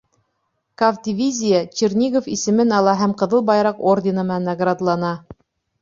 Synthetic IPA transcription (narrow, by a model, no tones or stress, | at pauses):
kavd̪ʲivʲizʲijət͡ɕirnʲiɡofisɘ̆mɘnɑlˠɑɦæmqɤ̆ðɤlˠbɑjɾɑqordʲɪnɤ̆mɑnːaɡrad̪lˠɑnɑ